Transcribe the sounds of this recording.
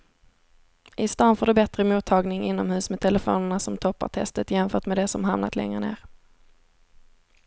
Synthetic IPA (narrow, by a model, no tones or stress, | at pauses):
ʔɪst̪ɑːnfoːɖɵbɛt̪ɾəmuːt̪ʰːɑːɡnɪŋɪnːɔmhʉ̟ːsmɛt̪ʰɛləfo̰ːnəɳasɔmt̪ʰɔpːa̰ʈ̪ʰɛ̰st̪ət̪jɛmfœːʈmɛːd̪ɛsɔmɦamnat̪lɛ̰ŋɾə̰nḛːɾ